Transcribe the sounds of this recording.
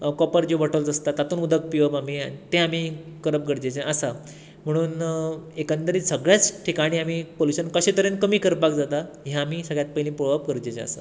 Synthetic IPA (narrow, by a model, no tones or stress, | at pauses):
kɔpəɾd͡ʑeʋɔʈəld͡zəst̪at̪ːat̪uːnud̪ʱək̚piʋəbamiãit̪ẽami | kəɾəp̚ɡəɾd͡ʑet͡ɕẽəsa | m̤əɽ̃uːnekənt̪əɾiːsəɡɭjat͡sʈʰikaɽ̃iːamiːpoluɕənkəɕet̪əɾenkəmiːkəɾpakd͡zat̪a | ɦjaːmiːsəɡɭjat̪̚pəjlĩpɾobap̚kəɾd͡ʑet͡ɕḛə̰sa̰